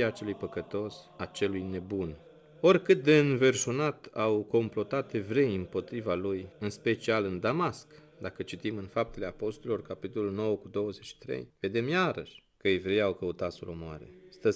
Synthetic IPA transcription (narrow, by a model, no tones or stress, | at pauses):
at͡ʃe̞lujpəkət̪o̞sat͡ʃe̞lujne̞bun | o̞rʲkɨt̪̚d̪e̞ɨnve̞rʃunat̪awko̞mplo̞t̪at̪e̞vɾe̞jɨmpo̞t̪ɾivalujɨnspe̞t͡ʃialɨnd̪amask | d̪akət͡ʃit̪imɨnfap̚t̪e̞le̞apo̞st̪oɾlilo̞rkapit̪o̞luno̞wəkud̪o̞wəzet͡ʃʃi̥t̪ɾḛjve̞d̪e̞mjaɾə̰ʃʲkəevɾe̞jawkəut̪at̪sulomoa̰ɾe̞̰st̪ə